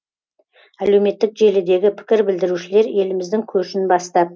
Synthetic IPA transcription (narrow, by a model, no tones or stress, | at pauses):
æle̞wme̞t̪ːɪkʒe̞lɪd̪e̞ɡʲɪpʰɪ̥kʲɪɾbɪld̪ɪɾuʃɪle̞ɾje̞lɪmɪzd̪ɪŋkʲʰɵʃɪnbɑst̪ɑp̚